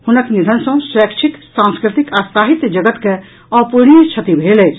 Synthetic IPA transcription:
hunəknid̪ʱənsə̃sɾəkt͡ʃʰik̪sãnskɾit̪ikasaɦit̪d͡ʒəɡət̪ke | ɔpunit͡ʃʰət̪ibʱelɛjt͡ʃʰ

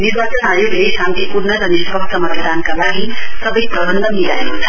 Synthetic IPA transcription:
niɾbat͡sʌnajoɡejsamt̪ʰipuɾnʌɾʌnispʌkt͡sʰʌmʌt̪ʌd̪ankalaɡisʌbʌjprʌbʌnd̪ʱʌmiɾa̰jokt͡sʰʌ̥

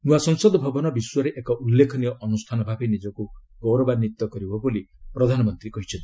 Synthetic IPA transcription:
nũasɔŋsɔd̪ɔbʱɔbɔnɔbiswɔɾeʔekɔʔulːekʰɔniɔʔɔnust̪ʰanɔbʱabenid͡ʒɔku | ɡɔwɾɔbaɾnit̪ːɔkɔɾibʱɔbolipɾɔd̪ʱanɔmɔnt̪ɾikɔɦit͡ʃʰɔ̃nt̪i̥

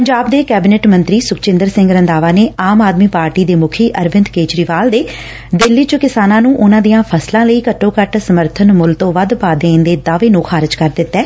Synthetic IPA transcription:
pəɲd͡ʒaːbd̪eːkɛːbɪneːʈmə̃nt̪ɾiːsʊkt͡ʃɪ̃nd̪əɾsɪ̃ŋɡɾənd̪aːʋaːneːaːmaːd̪miːpaːɾʈiːd̪eːmʊkʰiːʔəɾʋɪ̃nd̪keːt͡ʃɾiːʋaːld̪eː | d̪ɪlːiːt͡ʃəkɪsaːnãːnũːʔʊnãːd̪ijãːpʰəslãːləiːkəʈːõːkəʈsəməɾt̪ʰənmʊlt̪õːʋəd̪paːd̪eːnd̪eːd̪aːʋeːnũːkxʰaːɾɪd͡ʒkəɾd̪ɪt̪ːɛː

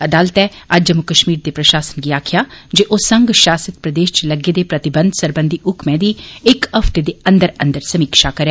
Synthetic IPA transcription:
ɐd̪aːlət̪ɛː | əd͡ʒd͡ʒəmukəʃmiːɾd̪eːpɾəʃaːsə̥nɡiaːkʰɪjaːd͡ʒeːʔoːsəŋɡʃaːsət̪pɾəd̪eːʃt͡ʃləɡeːd̪eːpɾət̪ɪbə̃nd̪səɾbə̃nd̪ʱiʔʊkmɛ̃ːd̪iːɪkəpʰt̪ed̪eːə̃nd̪əɾə̃nd̪əɾsəmiːkʃakəɾɛː

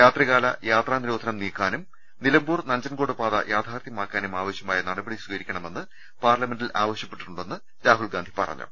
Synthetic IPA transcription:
jaːt̪rɐɣaːlɐjaːt̪raːniɾoːd̪ʱɐnɐmniːkːaːnum | nilɐmbuːrnɐɲd͡ʑɐnkoːɽɨpaːðɐ̰jaːt̪ʰaːrt̪ʰjɐmaːkːaːnumaːʋɐɕjɐmaːjɐnɐɽɐbɐɽiswiɡɐɾikʲːɐɳɐme̞nːɨ | paːrlɐme̞nɖilaːʋɐɕjɐpːe̞ʈːuɳɖe̞nːɨ | ɾaːɦulɡaːnd̪ʱi̥pɐ̰rɐ̰ɲːṵ

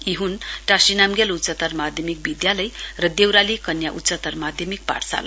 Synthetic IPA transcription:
iɦunʈasinamɡelutt͡sʌt̪ʌrmad̪ʱjʌmik̚bid̪jaləjrʌd̪ewɾalikʌnjaʔut̪ːt͡sʌt̪ʌrmad̪ʱjʌmik̚pa̰rsa̰l

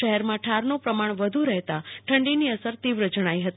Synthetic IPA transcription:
əɦɛɾmãʈʰaɾnopɾəmaɳ̃ʋəd̪ʱuɾɛɦt̪aʈʰəɳɖiniəsəɾt̪iʋɾəd͡ʒəɽ̃aiɦət̪

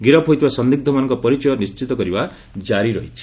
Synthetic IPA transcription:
ɡiɾɔpʰɦojt̪ʰibasɔnd̪ik̚d̪ʱɔmanɔŋkɔpɔɾit͡ʃɔjɔnist͡ʃit̪ɔkɔɾiba | d͡ʒaɾiɾɔɦit͡ʃʰi̥

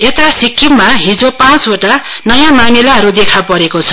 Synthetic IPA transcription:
et̪asikʰːimmaɦĩd͡zopãt͡soʈanʌjãmamilaɦʌɾud̪ekʰapʌɾekot͡sʰʌ̥

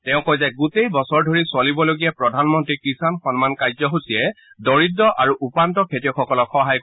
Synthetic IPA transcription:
tɛʊ̃kojzaɡutejbɔsɔɹdʱoɹisʊalibɔloɡijapɹɔdʱanmɔntɹikɹisanxɔnmankajzɔɦusiɛ | dɔɹidːɔʔaɹuʔupantɔkʰetijɔkʰɔkɔlɔkxɔɦaj

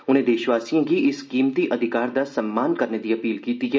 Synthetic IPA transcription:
ʊnɦẽd̪eːʃʋaːsijõkiʔɪskiːmt̪iʔɐd̪ʱɪkaːɾd̪asɐmːaːnkɐɾned̪iɐpiːlkiːt̪iɦɛː

